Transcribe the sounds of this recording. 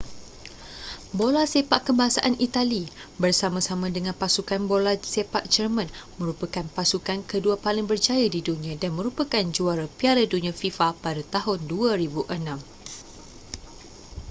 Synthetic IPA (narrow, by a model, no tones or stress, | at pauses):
bolasepaʔkəmbaɦasaʔanit̪alibərsamãsamãdəŋãnpasukanbolasepaʔ̚d͡ʒərmə̃nmə̃ɾupakanpasukankəduapalɪŋbərd͡ʒajadidunĩãdanmə̃ɾupakand͡ʒuaɾapiaɾadunĩãfifapadat̪aɦʊnduaɾibuʔənãm